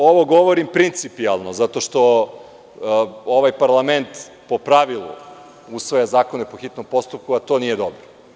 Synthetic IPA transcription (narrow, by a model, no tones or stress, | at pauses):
oʋo̞ɡo̞ʋo̞ɾimpɾint̪sipialˠnozat̪o̞ʃt̪o̞ | oʋajpaɾlˠament̪ | po̞pɾaʋilˠṵ | usʋojazaːko̞nepo̞xit̪no̞mpo̞st̪up̚kuat̪o̞nijed̪o̞bɾo